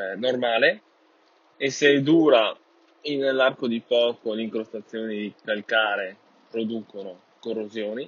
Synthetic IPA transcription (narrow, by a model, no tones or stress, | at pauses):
normaːle | esed̪uːɾa | inlːarkod̪ipɔːkoliŋkɾost̪at̪sːjoːnid̪ikalkaːɾe | pɾod̪uːkono | korːozjoːni